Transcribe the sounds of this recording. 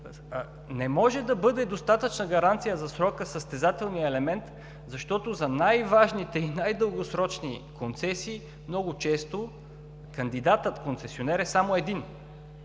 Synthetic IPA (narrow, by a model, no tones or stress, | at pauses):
nɛmɔʒɛd̪ɐbɤd̪ɛd̪ost̪at̪ət͡ʃnəɡɐɾant̪sijəzɐsɾɔkəsəst̪ɛzat̪ɛlˠnijəɛlɛmɛnt̪ | zɐʃt̪ɔt̪ozɐnajvaʒnit̪ɛinajd̪əlˠɡosɾɔt͡ʃnikont̪sɛsiː | mnɔɡʊt͡ʃɛst̪o | kɐnd̪id̪at̪ət̪konsɛsionɛɾɛsamoɛd̪in